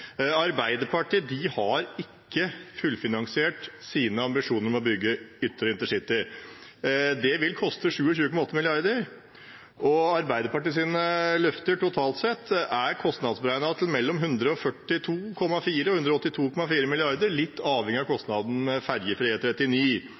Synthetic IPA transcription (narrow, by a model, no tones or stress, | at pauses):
ɑɾbæɪd̪əpʰɑʈiːd̪ɪhɑɾɪkːəfʉlfɪnɑŋsɪeːʈsiːnəɑmbɪʂuːnəɾmɛɔbʏɡːəʏt̪ːəɾəɪnt̪əʂɪt̪ːɪ | d̪ɛʋɪlkʰɔst̪əʂʉːəçʉːəkʰɔmɑɔt̪ːəmɪlɪɑɾd̪əɾ | ʔɔɑɾbæɪd̪əɾpɑʈiːs̬iːnəlœft̪əʈʰʊt̪ʰɑːlt̪sɛt̪ːæɾkʰɔst̪nɑd̪sbəɾæɪnɑd̪t̪ʰl̩mɛlːɔmɦʉnd̪ɾəɔfœʈːɪt̪ʰuːkʰɔmːɑfiːɾəɔhʉnd̪ɾɔɔt̪ːɪt̪ʰuːkʰɔmɑfiːɾəmɪlɪɑɾd̪əɾlɪt̪ːɑːʋhɛŋɪɑkʰɔst̪nɑd̪n̩mɛfæɾjəfɾiːət̪ʰɾɛt̪ːɪniː